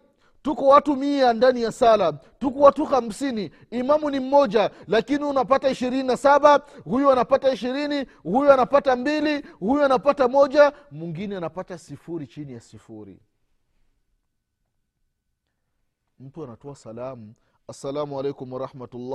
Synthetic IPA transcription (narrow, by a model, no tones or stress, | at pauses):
tukɔwatumiandanijasala | tukɔwatuham̩siniː | mamunim̩mːɔd͡ʒalakiniunapataiʃiɾininasaɓahujuanapataiʃiɾini | hujuanapatambilihujuanapatamɔd͡ʒamuŋɡinɛanapatasifuɾit͡ʃinijasifuɾḭ | m̩tuanatɔasalamu | asːalamualɛjkumwaɾahmatulːa